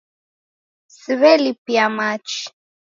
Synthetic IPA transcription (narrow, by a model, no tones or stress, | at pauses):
siβɛlipiamat͡ʃ